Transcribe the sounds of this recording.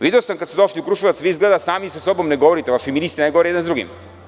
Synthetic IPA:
ʋid̪eosamkat̪ed̪oʃliukɾuʃiʋat̪sʋiizɡled̪asaːmisasobomneɡoʋoɾit̪eaʃominist̪ɾnajɡoʋoɾijɛd̪enzd̪uɡḭm

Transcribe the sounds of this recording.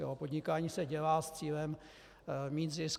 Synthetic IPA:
ɛ̰ɦopo̞dɲɪkaːɲiːsɛɟɛlaːst͡siːlɛm | miːt̪zɪs

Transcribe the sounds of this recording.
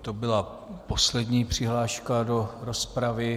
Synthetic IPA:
t̪obɪla | poslɛdɲiːpr̝̥ɪɦlaːʃkado̞ɾospɾavɪ

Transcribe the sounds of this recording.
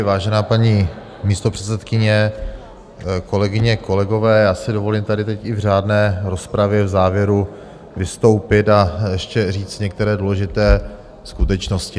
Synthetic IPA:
vaːʒɛnaːpaɲiː | miːst̪o̞pr̥ɛ̥t̪t͡sɛt̪kɪɲɛ | ko̞lɛɡɪɲɛko̞lɛɡo̞vɛːjaːsɪdovo̞liːmt̪adɪt̪ɛcɪvraːdnɛːɾo̞spɾavjɛvzaːvjɛɾu | vɪst̪o̞wpɪt̪ajɛʃcɛriːt͡st̪ɲɛk̚t̪ɛɾɛːdulɛʒɪt̪ɛː | skut̪ɛt͡ʃnoscɪ

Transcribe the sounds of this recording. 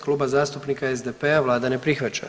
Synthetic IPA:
klˠuːbazaːst̪upnikaezd̪epeaʋlˠaːd̪ane̞pɾixʋat͡ɕa̰

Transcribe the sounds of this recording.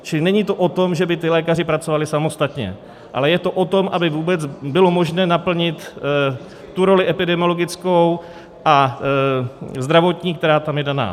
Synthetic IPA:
t͡ʃɪlɪnɛɲiːt̪o̞ʔo̞t̪o̞mʒɛbɪt̪ɪlɛːkar̝ɪpɾat͡so̞valɪsamo̞st̪at̪ɲɛ̰ | ʔa̰lɛjɛt̪o̞ʔo̞t̪o̞mʔabɪvuːbɛt͡sbɪlo̞mo̞ʒnɛːnapl̩ɲɪt̪ | t̪uɾo̞lɪʔɛpɪdɛmɪo̞lo̞ɡɪt͡sko̞w | ʔa | zd̪ɾavo̞t̪ɲiːkt̪ɛɾaːt̪amjɛdana̰ː

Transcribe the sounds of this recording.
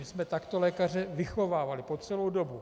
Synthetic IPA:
ɪsmɛt̪akt̪o̞lɛːkar̝ɛvɪxo̞vaːvalɪpo̞t͡sɛlowdo̞bu

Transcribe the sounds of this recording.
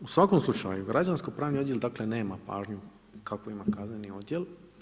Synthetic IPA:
usʋakomslˠut͡ʃa̰juɡɾad͡ʑanskojpɾaːʋniod̪jeld̪akle̞ne̞ːmapa̰ːʒɲu | kakʋo̞imakaznenio̞d̪jel

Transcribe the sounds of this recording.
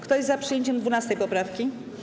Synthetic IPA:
kt̪ɔjzapʂɨjeɲt͡ɕɛmd̪vunast̪ɛjpɔpɾafkʲi

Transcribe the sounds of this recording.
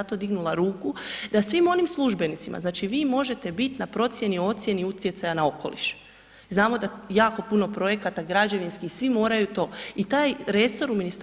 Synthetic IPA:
at̪o̞d̪iɡnulˠaɾuːkud̪asʋimo̞nimslˠuʒbe̞nit̪sḭmʔa̰znaːt͡ʃiʋiːmo̞ʒe̞t̪e̞bit̪napɾo̞t̪sje̞nio̞t̪sje̞niut̪je̞t̪sajanao̞ko̞̰lḭʃ | znaːmo̞d̪ajaːko̞puno̞pɾo̞je̞kat̪aɡɾad͡ʑe̞ʋinskixsʋimo̞ːɾajut̪o̞ːit̪aːjɾe̞so̞ɾuminist̪

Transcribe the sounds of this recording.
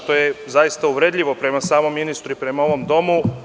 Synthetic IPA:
t̪o̞jezajist̪auʋɾeːd̪ʎʲiʋo̞pɾe̞masaːmo̞mːinist̪ɾuipɾe̞mao̞ʋo̞md̪o̞mu

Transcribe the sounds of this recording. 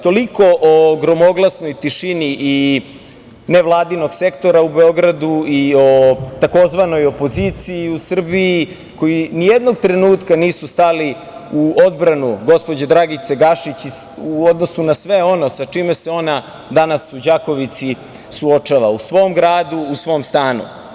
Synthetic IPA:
t̪o̞liko̞ʔoɡɾo̞mo̞ɡlˠasno̞jt̪iʃiniʔi | neʋlˠaːd̪ino̞ɡse̞kt̪o̞ɾaube̞o̞ɡɾad̪uio̞t̪ako̞zʋano̞jo̞po̞zit̪sijiusr̩biː | ko̞jinijed̪no̞ɡt̪ɾenuːt̪kaniːsust̪ali | uo̞d̪bɾanuɡo̞spo̞d͡ʑed̪ɾaɡit̪seɡaʃit͡ɕuod̪no̞sunasʋe̞o̞no̞sat͡ʂimeseo̞na | d̪anasud͡ʑako̞ʋit̪si | suo̞t͡ʂaʋausʋo̞mɡɾaːd̪uːsʋo̞ːmst̪aːnṵ

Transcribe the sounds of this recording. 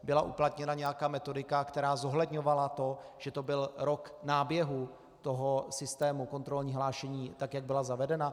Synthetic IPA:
bɪlaʔuplat̪ɲɛnaɲɛjakaːmɛt̪o̞dɪkakt̪ɛɾaːzo̞ɦlɛdɲo̞valat̪o̞ʒ̥ɛt̪o̞bɪlɾo̞knaːbjɛɦu | t̪oɦo̞sɪst̪ɛːmuko̞nt̪ɾo̞lɲiːɦlaːʃɛɲiːt̪akjaɡ̚bɪlazavɛdɛna

